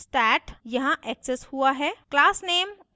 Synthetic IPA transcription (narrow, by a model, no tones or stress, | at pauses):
sʈɛːʈjɐɦãʔɛːkseshuaɦɛːklaːsneːm